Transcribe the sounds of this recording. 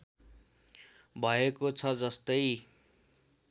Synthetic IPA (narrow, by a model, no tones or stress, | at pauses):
bʱʌekot͡sʰʌd͡zʌst̪ʌj